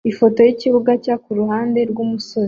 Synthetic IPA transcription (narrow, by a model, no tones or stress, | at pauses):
ifo̞to̞jiciβuɡacakuɾuhaːnde̞ɾɡumuso̞zi